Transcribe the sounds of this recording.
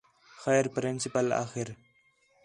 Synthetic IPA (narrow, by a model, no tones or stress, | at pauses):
xajɾpɾɪnsɪpala̰ːxɪɾ